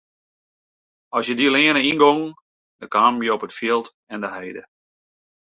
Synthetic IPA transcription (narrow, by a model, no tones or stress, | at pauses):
ɔsjədilɪənəinɡoŋ | dəkaːmmjəɔpətfiəlˠt | ɛndəɦɛjdə